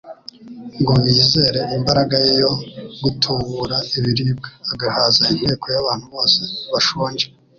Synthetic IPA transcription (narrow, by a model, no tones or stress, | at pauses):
ŋɡoniːze̞ɾe̞ʔimbaɾaɡajejo̞ɡutʰuβuɾaiβiɾiːb̚ɡḁːɡahaːzaim̥heːkʰo̞jaβaːn̥huβo̞ːseβaʃoːɲd͡ʒe